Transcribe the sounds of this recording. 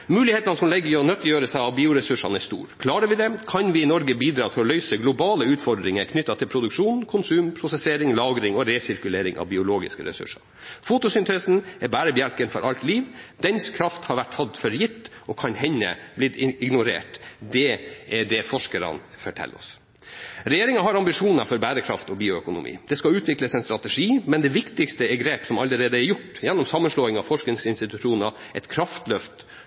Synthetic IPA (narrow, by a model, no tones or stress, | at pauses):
mʉːlɪheːt̪ɑnəsɔmlɛɡːəɔnœt̪ːjøːɾəsæɪɑʋbiːʊɾɛsʉʂɑnɛst̪ṵːɾkʰlɑːɾəʋɪd̪ɛkʰɑnʋɪɪnɔɾɡəbiːd̪ɾɑːt̪ʰɪlɔlœʏsəɡlʊbɑːləʉːt̪fɔɖ̪ɾɪŋəɾkʰnʏt̪ːɑt̪ʰɪlpɾʊd̪ʉkʂuːnkʰʊnsʉːmpʰɾʊsɛseːɾɪŋlɑːɡɾɪŋɔɾeːsɪɾkʉleːɾɪŋʔɑ̰ʋbɪʊloːɡɪ̰skəɾɛ̰sʉ̰ʂɑɾ | fut̪ʊsʏnt̪ʰeːsn̩ɛɾbæːɾəbjælkənfɔ̰ɾʔɑlt̪liːʋd̪ɛnskʰɾɑft̪hɑɾʋæʈhɑd̪fɔɾjɪt̪ːʔɔkʰɑnhɛnːə̰blɪd̪ɪɪɡnʊɾḛːʈd̪ɛʔɛɖɛfɔʂkəɾɑ̰nfɔʈʰɛ̰lːɔ̰s | ɾɛjeːɾɪŋɑɦɑɾɑmbɪʂuːnɑfɔɾbæːɾəkʰɾɑ̰ft̪ɔbiːʊœkʊnʊ̰mʔḭːd̪̥ɛskɑʉːt̪ʰʋɪkləsɛɪnst̪ɾɑt̪ɛʂiːmɛnd̪ɛʋɪkt̪ɪkst̪əɛɾɡɾeːpsɔmɑlːəɾeːd̪əɛɾjʊʈːjɛnːɔmsɑmːənʂloːɪŋɑʋfɔʂknɪŋsɪnst̪ɪt̪ʉʂuːnə | ʔɛt̪kʰɾɑft̪lœft̪